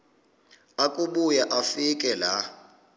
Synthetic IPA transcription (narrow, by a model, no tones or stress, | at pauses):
akʼuɓujaʔafikʼɛla